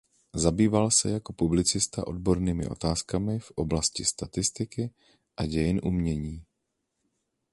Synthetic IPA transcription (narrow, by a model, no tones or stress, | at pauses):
zabiːvalsɛjako̞publɪt͡sɪst̪a̰ʔo̞dbo̞ɾniːmɪ̰ʔo̞̰t̪aːskamɪfʔo̞blascɪst̪at̪ɪst̪ɪkɪ | ʔaɟɛjɪnʔumɲɛɲiː